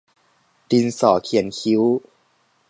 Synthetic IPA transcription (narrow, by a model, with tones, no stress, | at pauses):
di˧nsɔː˨˩˦kʰi˨˩ənkʰi˦˥w